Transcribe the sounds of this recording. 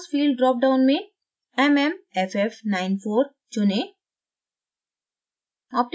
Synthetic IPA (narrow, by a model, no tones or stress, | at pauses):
sfiːlɖɖɾɔp̚ɖãʊ̃nmi | ememefefnaɪnfʰoːɾ | t͡ʃune | ap̚ʈ